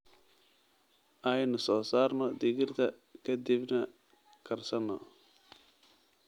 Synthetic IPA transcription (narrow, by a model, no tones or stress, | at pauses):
ajnʊsɔːsaːɾnɔd̪ɪɡɪɾt̪ʰɐ | kɐd̪ɪbnɐ | kʰɐɾsɐnɔ̰